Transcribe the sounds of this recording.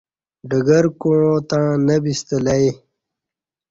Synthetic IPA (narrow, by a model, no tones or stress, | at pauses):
ɖəɡəɾkõːt̪ãːnɐbist̪əlaj